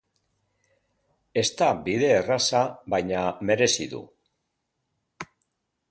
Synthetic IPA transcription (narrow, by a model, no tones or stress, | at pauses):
e̞st̪abiðe̞ːrasaβajɲame̞ɾe̞siðṵ